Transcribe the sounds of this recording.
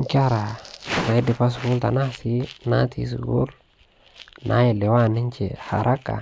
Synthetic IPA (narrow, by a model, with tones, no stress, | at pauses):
n˦ka˦ɾa˨ɾa˨˦di˨pa˦s̬u˨ɡu˦lt̪a̰˨na˦˨si˦na̰˦t̪ʰḭ˦s̬ṵ˨ɡṵ˦l | nʔa˦ji˨le˨wa˦˨nɪ˦nt͡ʃḛ˨ha̰˨ɾʔa˦kːa̰˨